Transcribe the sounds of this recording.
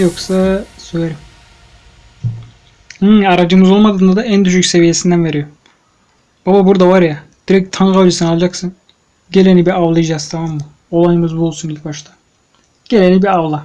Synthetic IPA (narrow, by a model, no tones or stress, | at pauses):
jo̞ksasøjʲeɾim | hɯaɾad͡ʒɯmɯzo̞lˠmad̪ɯːnd̪ad̪aænd̪yʃycse̞vije̞sind̪ænve̞ɾijo̞ | b̥ababuɾd̪avaɾjad̪̥iɾɛc̚t̪ʰanɡad͡ʒesɯnalˠad͡ʒaksɯn | ɟe̞lʲenibiavlˠɯjd͡ʒazt̪ʰamamːɯ | o̞lˠajɯmɯzbuolˠsunilʲc̚ʲbaʃt̪ʰḁ | ɟ̥e̞lʲenibiavlˠa